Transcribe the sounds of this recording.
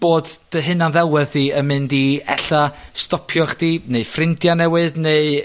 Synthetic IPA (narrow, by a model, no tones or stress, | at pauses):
b̥oːdd̥əɦɨnanðɛlˠwɨðːiəmɨndiɛ̰ɬastɔpʰjɔχd̥iːneɨfrɪndjanɛwɨðneɨ